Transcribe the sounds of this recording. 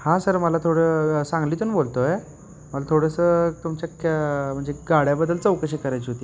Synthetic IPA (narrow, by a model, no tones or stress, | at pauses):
hãsəɾməlat̪ʰoɽəsãŋɡliːt̪unbolt̪oe | məlat̪ʰoɽəsət̪umt͡ɕakʰam̤əɳd͡zeɡaɽ̤jabəd̪ːəlt͡səwkəɕikəɾajt͡ɕiɦot̪iː